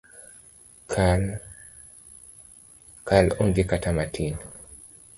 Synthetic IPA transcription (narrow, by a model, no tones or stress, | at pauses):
kʰ | kaloŋɡekatamatʰin